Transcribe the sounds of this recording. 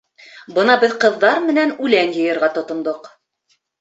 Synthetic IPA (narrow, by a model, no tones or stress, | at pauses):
bɤnɑbɘðqɤ̆ðːɑɾmɘ̆nænʉlænjɤ̆jɤ̆ɾʁɑt̪ŏt̪ŏnd̪oq